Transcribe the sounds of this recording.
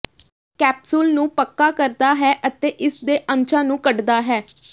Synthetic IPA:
kɛːpsʊlnũːpəkːaːkəɾd̪aːɦɛːʔət̪eːʔɪsd̪eːʔə̃ɲt͡ʃãːnũːkəɖd̪aːɦɛː

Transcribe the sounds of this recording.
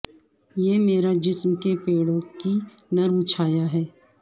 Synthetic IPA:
jeːmeːɾad͡ʒɪsmkepeːɽõkinɐɾut͡ʃʰaːjaɦɛː

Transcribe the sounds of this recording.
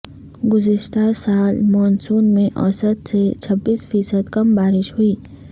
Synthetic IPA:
ɡʊzɪʃt̪asaːlmɔːnsuːnmẽʔɔ̰ːsət̪set͡ʃʰɐbːiːsfiːsəd̪kɐmbaːɾɪʃɦʊiː

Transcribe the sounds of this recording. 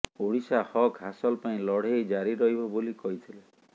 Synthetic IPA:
oɽisahɔkɦasɔlpaĩlɔɽ̤ejd͡ʒaɾiɾɔɦjbɔbolikɔɦit̪ʰile

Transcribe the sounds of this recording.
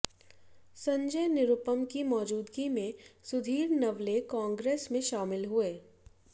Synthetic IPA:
sɐ̃ɲd͡ʒəjnɪɾʊpəmkimɔːd͡ʒuːd̪ɡimẽsʊd̪ʱiːɾnɐʋlekãːŋɡɾeːsmẽʃaːmɪlɦueː

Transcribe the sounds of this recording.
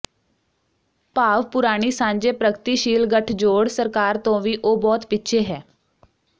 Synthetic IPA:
paːʋpʊɾaːɽ̃iːsãːɲd͡ʒeːpɾəɡt̪iːʃiːlɡəʈʰd͡ʒoːɽsəɾkaːɾt̪õːʋiːʔoːbɔːt̪pɪtːʃʰeːɦɛː

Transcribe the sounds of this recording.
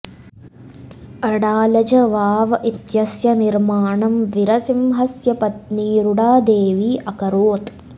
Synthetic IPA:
ɐɽaːlɐd͡ʒɐʋaːʋɐʔit̪jɐsjɐniɾmaːɳɐmʋiɾɐsimɦɐsjɐpɐt̪niːɾuɽaːd̪eːʋiːʔɐkɐɾoːt̪

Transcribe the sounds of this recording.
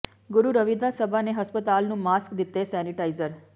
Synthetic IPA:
ɡuɾuɾəʋid̪ʱasəbʱaneɦəspət̪alnũmaskd̪it̪ːesɛniʈaizəɾ

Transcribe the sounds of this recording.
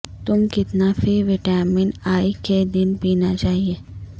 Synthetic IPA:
t̪ʊmkɪt̪nafʰiʋɪʈaːɾmɪ̃ɳʈaːiked̪ɪnpiːnat͡ʃaːɦieː

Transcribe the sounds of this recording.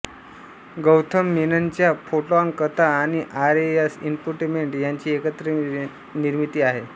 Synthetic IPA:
ɡəwt̪ʰəmːinant͡ɕjapʰoʈaŋkət̪aːɽ̃iʔaɾejasimpuʈimeɳʈjaɲt͡ɕiːekət̪ɾə | niɾmit̪iːaɦe

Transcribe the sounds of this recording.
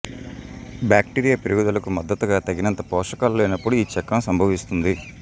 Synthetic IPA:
bjaːk̚ʈiːɾijaːpiɾuɡud̪ɐlɐkumɐd̪ːɐt̪uɡaːt̪ɐɡinɐnt̪ɐpɔːʂɐkaːlːoːinɐpːuɽuiːt͡ʃɛkːɐmsɐmbʱɐʋist̪und̪i

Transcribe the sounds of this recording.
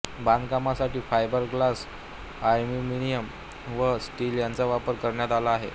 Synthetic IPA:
bãnkamasaʈiːfajbəɾɡlas | ajmiminijəm | ʋəsʈiljant͡saʋapəɾkəɾɳjat̪alaːɦḛ

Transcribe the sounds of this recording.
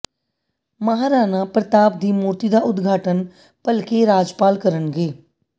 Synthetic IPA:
məɦaːɾaːnãːpɾət̪aːbd̪iːmuːɾt̪iːd̪aːʔʊd̪ɡʱaːʈən | pəlkeːɾaːd͡ʒpaːlkəɾənɡeː

